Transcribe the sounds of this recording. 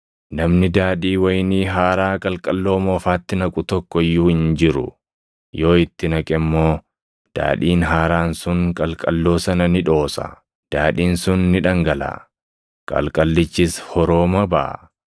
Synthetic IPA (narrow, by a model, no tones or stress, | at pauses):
nɐmnɪd̪aːᶑiːwɐjniːɦaːɾaːkʼɐlkʼɐlːo̞ːmɔfaːt̪ːɪnɐkʼʊt̪ɔkːɔɪjːuːhɪnd͡ʒɪɾʊ̰ | jo̞ːɪt̪ːɪnɐkʼɛmːo̞ː | d̪̥a̰ːᶑiːnɦaːɾaːnsʊŋkʼɐlkʼɐlːo̞ːsɐnɐnɪᶑo̞ːsɐ̰ | d̪̥aːᶑiːnsʊnːɪᶑɐŋɡɐla̰ː | kʼɐ̰lkʼɐlːɪt͡ʃːɪshɔɾo̞ːmɐbɐ̰ʔ